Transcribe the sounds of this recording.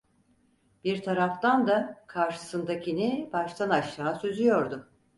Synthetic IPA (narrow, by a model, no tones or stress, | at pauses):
b̥iɾt̪ʰaɾaft̪and̪akʰaɾʃɯ̥sɯnd̪acʰinibaʃt̪ʰanaʃt̪aːsøzyjo̞ɾd̪ʊ